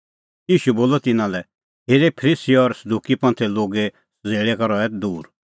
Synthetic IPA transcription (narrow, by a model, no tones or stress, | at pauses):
jiːʃuboːlɔt̪ɪnãlɛ | ɦeːɾepʰɾisiɔɾsɐd̪uːkipɐ̃nt̪ʰɛloːɡe | səd͡zeːɭekaɾɔɛt̪d̪uːɾ